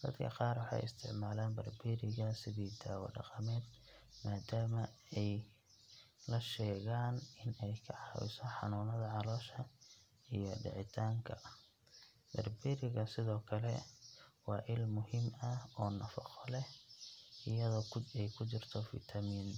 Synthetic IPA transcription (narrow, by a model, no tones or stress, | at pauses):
d̪̥ɐd̪kʰɐ̰qɑːrwɑħɑ̰jɪ̰st̪ʰɪʕmaːlaːnbɐrbiɾɪɣɐsɪðiːd̪aːwɐ̰ɖɑ̰qɑmɛːd̪ | maːd̪aːmɐɛj | lɐʃɛːɣaːnɪnɛjkʰɐħɐ̰jsɔħɑ̰nuːnɐðɐʕɑlɔːʃɐ | ijɔɖɪ̰ʕɪt̪ʰaːŋkʰɐ | b̪̥ɐrbiɾɪɣɐsɪðɔːkʰɐlɛ̰wɑːʔɪlmʊhɪmɐɔːnɐfɑqɔlɛhʔɪjɐðɔːɛjkʰʊt͡ʃɪrt̪ʰɔfḭt̪ʰɐmiːn